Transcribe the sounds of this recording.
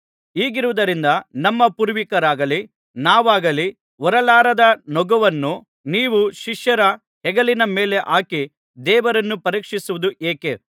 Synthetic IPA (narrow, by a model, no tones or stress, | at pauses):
iːɡiɾuʋud̪ɐɾind̪ɐnɐmːɐpuːɾʋikɐɾaːɡɐli | naːʋaːɡɐli | ɔɾɐlaːɾɐd̪ɐnɔɡɐʋɐnːu | niːʋuʃiʂjɐɾɐ | hɛɡɐlinɐmeːle̞ʔaːki | d̪ɛːʋɐɾɐnːupɐɾiːkʂisuʋud̪uʔeːke